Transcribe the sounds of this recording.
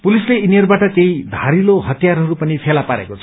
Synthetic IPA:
pulisleiniʌrbaʈʌt̪jejd̪ʱaɾiloɦʌt̪jarɦʌɾupʌnipʰelapaɾḛkot͡sʰʌ

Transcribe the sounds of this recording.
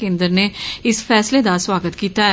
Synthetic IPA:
ẽːnd̪əɾneɪsfɛːsled̪aswaːɡət̪kiːt̪aɦɛ

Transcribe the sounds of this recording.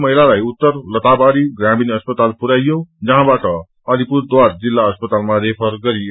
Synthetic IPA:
mʌɦilalajut̪ːʌɾlʌt̪abaɾiɡɾaminʌspʌt̪alpuɾaijod͡zʌɦãbaʈʌ | ʌlipuɾd̪waɾd͡zilːaʌspʌt̪almãɾepʰʌɾɡʌɾi

